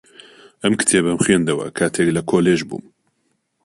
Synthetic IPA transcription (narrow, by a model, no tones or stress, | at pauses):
ʔɐmkɨ̥t̪ʰeːbɐmxwend̪ɐwɐ̰kʰaːt̪ʰeːklɐkʰoːleːʒbṵːm